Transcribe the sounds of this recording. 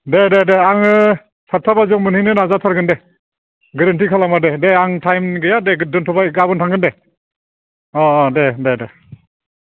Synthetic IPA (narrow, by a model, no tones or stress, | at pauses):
dededeaŋɯ | saɾtʰabazɔŋmɯnhinɯnazatʰaɾɡɯnde | ɡɯɾantʰikʰalamadedeaŋtʰajmɡɯjadeɡdɔntʰɔbaɡabɔntʰaŋɡɯnde | ɔɔdedede